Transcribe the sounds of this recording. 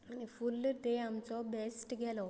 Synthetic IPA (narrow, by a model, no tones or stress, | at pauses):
añifulɖ̪eamt͡sɔbɛsʈɡʱɛlɔ